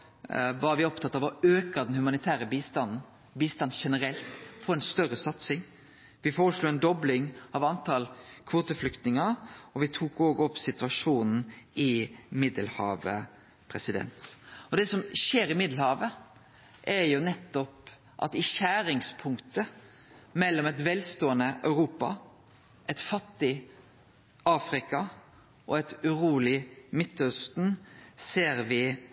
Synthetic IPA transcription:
ʋɑɾʋɪɔpt̪ʰɑt̪ːɑʋɔøːkɑd̪ɛnhʉmɑnɪt̪ʰæːɾəbiːst̪ɑnn̩ | biːst̪ɑnʂɛnəɾɛlt̪fɔɾɛnst̪œɾəsɑt̪sɪŋ | ʋɪfoːɾəsluːɛnd̪ɔblɪŋɑʋɑnt̪ʰɑlkʰʋoːt̪əflʏkt̪nɪŋɑɾɔʋɪt̪ʰuːkoːɡɔpːsɪt̪ʉɑʂuːnn̩ɪmɪd̪əlhɑ̰ːʋə̰ | pʰɾɛsɪd̪ɛ̰nt̪ɔd̪ɛsɔmʃeːɾɪmɪd̪l̩hɑːʋə | ʔɛɾjʊnɛt̪ːɔp | ʔɑ̰t̪ɪʃæːɾɪŋspʰʊŋkt̪ə | mɛlːɔmɛt̪ʋɛlst̪oːənəʔœʉɾuːpɑ̰ | ʔɛt̪fɑt̪ːɪ | ɑːfɾɪkɑ | ʔɔɛt̪ʉɾuːlɪmɪt̪ːœst̪n̩seːɾʋɪ

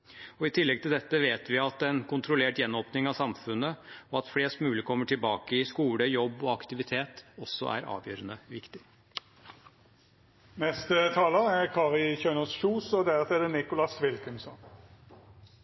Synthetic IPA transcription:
ɔɪt̪ʰɪlːɛɡ̚t̪ʰɪld̪ɛt̪ːəʋeːt̪ʋɪɑt̪ɛnkʰʊnt̪ʰɾʊleːʈjɛnːoːpnɪŋɑʋsɑmfʉnːəɔɑt̪fɽeːst̪mʉːlɪkʰɔmːəʈʰɪlbɑːkəɪskuːləjɔbːɔɑkt̪ɪʋɪt̪ʰeːt̪ɔsːɔ̰ʔæ̰ɾɑ̰ːʋjø̰ːɾənəʋɪkt̪ɪ̥ | nɛst̪ət̪ʰɑːləɛʁkʰɑːʁɪçœnəsʃuːsɔd̪æʁt̪ʰɛd̪ənɪkʊlɑsʋɪlkənsɔn

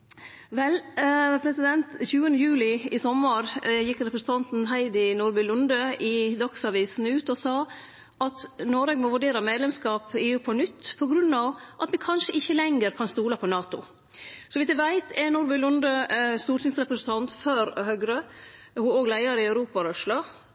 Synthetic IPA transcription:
ʋɛlpʰɾɛsɪd̪ɛnt̪çʉːənəjʉːlɪɪsɔmːəɾjɪkːɾɛpɾəsn̩t̪ʰɑnt̪n̩ɦæɪd̪ɪnuːɾbʉlʊnd̪əɪd̪ɑksɑʋiːsn̩ʉːt̪ɔsɑː | ʔɑt̪noːɾɛɡmɔʋʉɖeːɾɑmeːd̪lɛmskɑːpɪːʉːpʰɔnʏt̪ːpʰɔɡɾʉnːɑʋʔɑt̪ʋɪkʰɑnʂəʔɪçːəlɛŋːəɾkʰɑnst̪uːlɑpʰɔnɑːt̪ʊ̰ | sɔʋɪsd̪æʋæɪt̪ʰɛnuːɾbʉlʊnd̪əst̪uːɾʈɪŋsɾɛpɾəsn̩t̪ʰɑnt̪føːɾhœɡɾə | hʊoːɡlæɪɑɾɪɑʉɾuːpɑɾœʂlo

